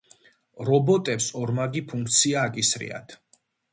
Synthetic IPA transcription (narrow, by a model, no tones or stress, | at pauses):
ɾɔbɔt̪ʼɛpsɔɾmaɡipʰuŋk̚ʰt̪sʰiaːkʼisɾḭa̰t̪ʰ